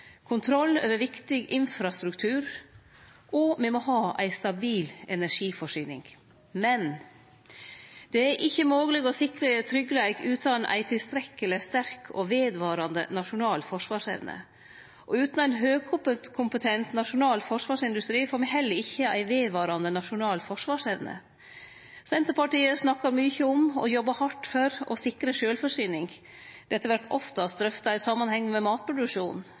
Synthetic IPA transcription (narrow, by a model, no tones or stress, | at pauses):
kʰʊnt̪ʰɾɔlːø̰ːʋəɾʋɪkt̪ɪɡɪnfɾɑst̪ɾʉkt̪ʰʉːɾ | ʔɔmɛmɔɦɑːʔæ̰ɪst̪ɑbiːlɛnæʂiːfɔʂyːnɪ̰ŋ | mɛn | d̪̥ɛæɾʔɪçːəmoːɡəlɪɡɔsɪkɾət̪ʰɾʏɡːəlæɪɡʉːt̪ʰɑnʔæ̰ɪt̪ʰɪlst̪ɾɛkːələst̪æɾkʰɔʋeːd̪ʋɑːɾɑnd̪ə̰nɑʂʊnɑːlfɔʂʋɑːʂæ̰ɪʋnə̰ | ʔɔʉːt̪nʊæɪnɦøːɡ̚kʰʊpət̪kʰʊmpət̪ʰɛnt̪nɑʂʊnɑːlfɔʂʋɑːʂɪnd̪ʉst̪ɾiːfɔːɾmɛɦɛlːəɾɪçːəæ̰ɪʋeːd̪ʋɑːɾɑnd̪ənɑʂʊnɑːlfɔʂʋɑːʂæʋnə̰ | sɛnt̪əɾpɑʈiːəsnɑkːɑɾmyːçəʊmɔ̰jɔbːɑhɑʈːfɔɾɔ̰sɪkːɾəʂøːlfɔʂyːnɪŋ | d̪̥ɛt̪ːəʋæɾt̪ʰɔ̰ft̪əɑst̪ɾœft̪ɑɪsɑmːɑnhɛŋːmɛmɑːt̪̚pʰɾʊd̪ʉkʂuːn